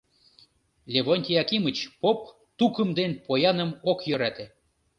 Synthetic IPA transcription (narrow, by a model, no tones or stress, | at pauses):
lʲeβonʲt̪ʲijɑkimət͡ɕpop | t̪ukəmd̪enpojɑnəmokjøɾæt̪e